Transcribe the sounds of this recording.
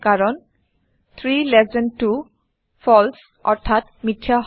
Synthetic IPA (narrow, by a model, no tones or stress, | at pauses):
kaɹɔn | t̪ʰɹilɛzɛntːu | fʰɔls | ɔ̰ɹtʰat | mitʰːja